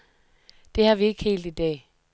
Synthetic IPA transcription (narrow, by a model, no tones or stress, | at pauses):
d̥e̝hɑ̈ʋie̝ɡ̥he̝̰ːld̥id̥ɛ̰ː